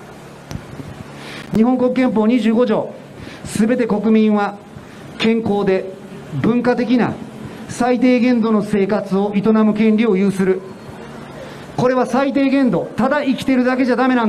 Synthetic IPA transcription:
ɲ̟iɦõ̞ŋkokɯ̟kːẽ̞mp̬o̞ːɲ̟iʑɨːɡo̞ʑo̞̰ː | sɨbe̞t̪e̞ko̞kɯ̟mʲĩɰ̃βa | kẽ̞ŋko̞ːd̪e̞ | bɯ̟̃ŋkat̪e̞kʲina̰sait̪̬e̞ːɡẽ̞nd̪o̞no̞se̞ːkat͡sɨo̞it̪o̞namɯ̟kẽ̞nɾʲio̞jɯ̟ːsɨɾɯ̟ | ko̞ɾe̞β̞asait̪e̞ːɡẽ̞nd̪o̞t̪ad̪aikʲi̥t̪e̞ɾɯ̟d̪ake̞ʑad̪ame̞nãn

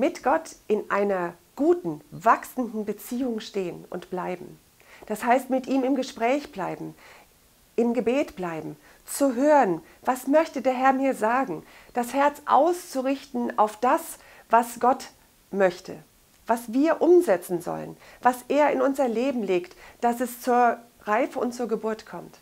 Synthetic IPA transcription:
mɪtɡ̥ɔtʔɪnʔaɪnɐɡ̥uːtn̩vaksn̩dn̩bət͡siːʊŋʃteːənʊ̰ntb̥laɪbm̩ | d̥ashaɪstmɪtʔiːmɪmɡəʃpʁ̥ɛːçb̥laɪbm̩ | ʔɪmɡəbeːtb̥laɪbm̩ | t͡suɦøːʁən | vasmœçtədeːɐɦɛɐmiːɐzaːɡŋ̩ | d̥ashɛɐt͡sʔa̰ʊst͡suʁɪçtn̩a̰ʊfd̥as | v̥asɡ̥ɔt | mœçtʰə̰ | vasv̥iːɐʔʊmzɛt͡sn̩zɔ̰lə̰nvasʔeːɐɪnʊnzɐleːbm̩leːktd̥asɛst͡suːɐ | ʁaɪfəʊntt͡suːɐɡəbʊɐtkʰɔmt

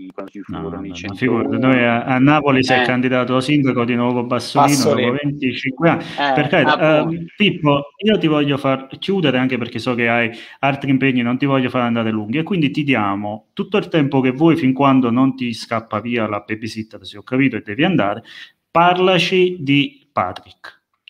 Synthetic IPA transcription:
nɔ̰fiɡuɾad̪nojaanːaːpolisɛkːand̪id̪aːt̪oasind̪akod̪inwɔːvoabːasːoliːnod̪ɔːpovɛnt̪it͡ʃiŋkweanːpeɾkɛd̪pipːoiːot̪ivɔʎːofarkjuːd̪eɾeaŋkepeɾk̟esɔk̟eajalt̪ɾimpeɲːinont̪ivɔʎːofaɾand̪aːɾeluŋɡ̟iekːwind̪it̪id̪jaːmot̪ut̪ːoilt̪ɛmpok̟evːɔːjfiŋkwand̪onont̪iskapːaviːalabebːisit̪ːad̪asiɔkːapiːt̪oed̪ːɛːviand̪aːɾe | parlat͡ʃid̪i | pa̰ːt̪ɾikː

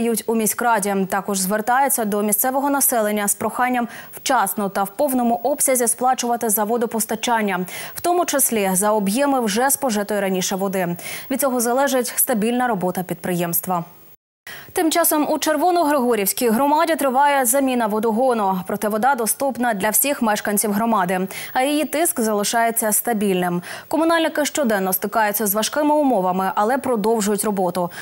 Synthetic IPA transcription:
jutʲumʲisʲkɾɑdʲit̪ɑkɔʒzʋert̪ɑjet͡sʲːɐd̪ɔmʲisʲt̪sɛʋɔɦɔnɐsɛlˠenʲːɐspɾɔxɑnʲːɐmw̥t͡ʃɑsnɔt̪ɐwpɔwnɔmʊʔɔpsʲɐzʲisplˠɑt͡ʃʊʋɐt̪ɪzɐʋɔd̪ʊpɔst̪ɐt͡ʃɑnʲːɐwt̪ɔmʊt͡ʃɐsʲlʲizɐɔbjɛmɪwʒɛspɔʒɪt̪ʊjɛɾɐnʲiʃɛʋɔd̪ɪʋʲid̪̚ʲt͡sʲɔɦɔzɐlˠɛʒɪtʲst̪ɐbʲilʲnɐɾɔbɔt̪ɐpʲid̪pɾɪjɛmst̪ʋɐ | t̪ɪmt͡ʃɑsɔmut͡ʃerʋɔnʊɦɾɪɦɔɾʲiwsʲkʲijɦɾɔmɑdʲit̪ɾɪʋɑjɛzɐmʲinɐʋɔd̪ɔɦɔnɔpɾɔt̪ɪʋɔd̪ɑd̪ɔst̪upnɐd̪lʲɐwsʲixmɛʃkɐnʲt͡sʲiwɦɾɔmɑd̪ɪɐjijit̪ɪskzɐlˠɪʃɑjet͡sʲːɐst̪ɐbʲilʲnɪmkɔmʊn̪ɑlʲnɪkɪʃt͡ʃɔd̪ɛnːɔst̪ɪkɑjʊt͡sʲːɐzʋɐʃkɪmɪʊmɔʋɐmɪʔɐlˠɛpɾɔd̪ɔwʒʊjʊtʲrɔbɔt̪ʊ

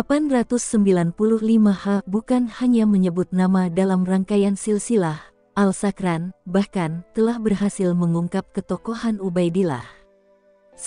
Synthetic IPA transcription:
apanrat̪ʊsːəmbilanpuluhlimahabukanhaɲaməɲəbʊt̪̚namadalamraŋkajansilsilah | ʔalsakɾanbahkant̪əlahbərhasɪlməŋuŋkap̚kət̪okohanubajdila̰h

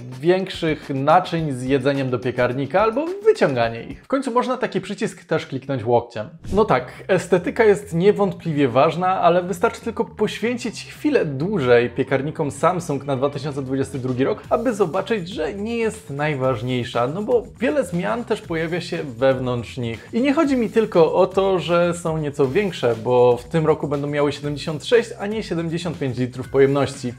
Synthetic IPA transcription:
vʲjɛŋkʂɘxnat͡ʂɘɲzjɛd̪zɛɲɛmd̪ɔpʲjɛkaɾɲikaalbɔvɘt͡ɕɔŋɡaɲɛḭxfkɔɲtsumɔʐnat̪akʲipʂɘt͡ɕiskt̪ɛʂklʲiknɔɲt͡ɕwɔk̚t͡ɕɛmnɔt̪ak | ɛst̪ɛt̪ɘkajɛst̪ɲɛvɔnt̪̚plʲivʲjɛvaʐnaʔalɛvɘst̪aɾt͡ʂɘ̥t̪ɘlkɔpɔɕfʲjeɲt͡ɕit͡ɕxfʲilɛd̪wuʐɛjpʲjɛkaɾɲikɔmsamsuŋknad̪vat̪ɘɕɔntsɛd̪vud͡ʑɛst̪ɘd̪ɾuɡʲiɾɔkabɘzɔbat͡ʂɘd͡ʑʐɛɲɛjɛst̪najvaʐɲejʂanɔbɔvʲjɛlɛzmʲjant̪ɛʂpɔjavʲjaɕɛvɛvnɔnt̪ʂɲixiɲɛxɔd͡ʑimʲit̪ɘlkɔʔɔt̪ɔʐɛsɔ̃w̃ɲɛt̪sɔvʲjɛŋkʂɛbɔft̪ɘmɾɔkubɛnd̪ɔ̃w̃mjawɘɕɛd̪ɛmʲd͡ʑeɕɔ̃nt̪ʂɛɕt͡ɕaɲɛɕɛd̪ɛmd͡ʑeɕɔnt̪̚pʲẽɲt͡ɕlʲit̪ɾufpɔjɛmnɔɕt͡ɕi

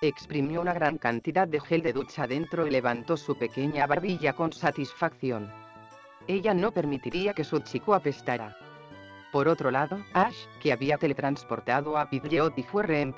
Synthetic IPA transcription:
ekspɾimjounaɣɾaŋkant̪iðat̪̚d̪exeld̪eðut͡ʃaðent̪ɾoileβant̪osupe̞keɲaβaɾβiʎako̞nsat̪isfakθjon | eʎanopeɾmit̪iɾiake̞sut͡ʃikuape̞st̪aɾa | poɾot̪ɾolaðoaʃkeaβiat̪e̞let̪ɾanspoɾt̪aðoapiðʎeot̪ifweremp

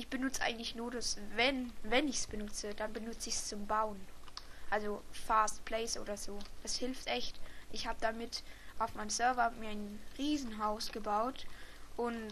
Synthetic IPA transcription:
ʔɪçb̥ənʊt͡səʔa̰ɪɡŋ̩tlɪçnuːɐdasvɛnvɛnɪçsb̥ənʊt͡səd̥anbənʊt͡səɪçst͡sʊmbaʊənʔalzofaːst̚pʰl̥ɛɪsʔo̰ːdɐzoːd̥ashɪlftʔɛçtʔɪçhaːbədamɪtʔaʊfmaɪnmsœɐvɐmiːɐaɪnʁiːzn̩ɦaʊsɡ̥əbaʊtʔʊn

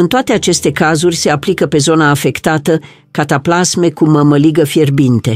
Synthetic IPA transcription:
ɨnt̪oat̪e̞at͡ʃe̞st̪e̞kazurʲse̞aplikəpe̞zo̞naːfe̞kt̪at̪ə | kat̪aplasme̞kuməməliɡəfjerbint̪e̞

